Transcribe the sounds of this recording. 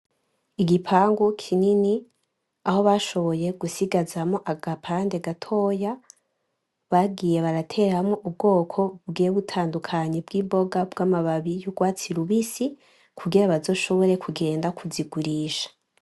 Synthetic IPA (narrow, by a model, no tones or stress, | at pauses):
iɡipʰaːŋɡukʰinini | aho̞βaʃo̞βo̞je̞ɡusiɡazamoʔaɡapʰaːnde̞ɡatʰo̞ːja | βaɡije̞βaɾatʰe̞ɾamŋoʔub̚ɡo̞ːkʰo̞bɡeːβutʰaːndukʰaɲebɡiːmbo̞ɡabɡaːmaβaβijoɡwaːt͡siɾuβisi | kʰuɡiɾaβazo̞ːʃo̞βo̞ɾe̞kʰuɡe̞ːndakʰuziɡuɾiːʃḁ